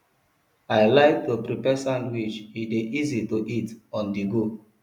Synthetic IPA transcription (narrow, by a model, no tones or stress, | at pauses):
aɪlaɪk̚dopɾipɛsãndwit͡ʃideʔizitoʔitɔ̃ndiɡo